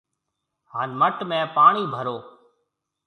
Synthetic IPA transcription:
ɦaːnməʈmẽːpaːɳiːbʱəɾoː

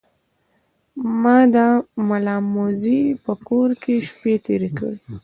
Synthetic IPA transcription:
mɑd̪amalɑmozipəkoɾkʰeʃpet̪ḛɾekə̰ɽi

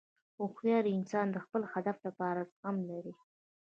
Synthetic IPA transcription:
oxjɑɾiɪnsɑnd̪əxpəlxad̪afd̪əpɑɾaɣamlaɾi

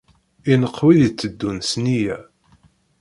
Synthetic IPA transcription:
inəqːwiðit͡sːəd̪ːunsnijæ

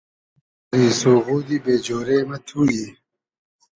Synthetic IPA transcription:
ɾiːsoːɣuːd̪ibeːd͡ʑoːɾeːmɐt̪ʰuːji

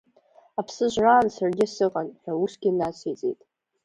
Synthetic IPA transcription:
apʰsɨʒʷraːnsarɡʲɪasɨqʼanħʷᶣausɡ̥ʲinat͡sʰet͡sʼḛtʼ

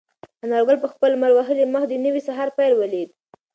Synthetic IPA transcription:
anɑɾɡalpəxpəlmalwaɦəliməxd̪ənəwisaɦɑɾpajlwəled̪

